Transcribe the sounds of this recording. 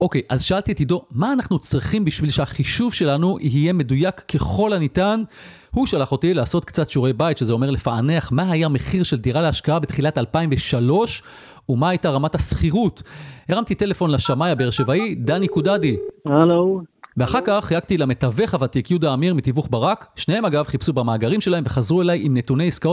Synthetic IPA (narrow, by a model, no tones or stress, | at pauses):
o̞kejʔazʃaaltiet̪ido̞maːnaχnut͡sʁiχimbiʃvilʃeaχiʃuvʃe̞lanuʔiɦije̞me̞dujakːe̞χo̞lanitan | huʃalaχo̞tilaaːso̞t̪kt͡satʃuʁejbajtʃezeo̞me̞ʁle̞faane̞aχmaɦajame̞χiʁʃe̞ldiʁaleaʃkaabet̪χilatalpaimveʃalo̞ʃ | umaːajtaʁamatasχiʁuteʁamtite̞le̞fo̞nlaʃamajabeeʁʃevaidanikudadihaloveaχaʁkaχːjaɡtilame̞tave̞χavatikjudaːmiʁmitivuχbaʁakʃnehe̞maɡavχipsubamaːɡaʁimʃelae̞mve̞χazʁue̞lajimne̞tune̞jiskaot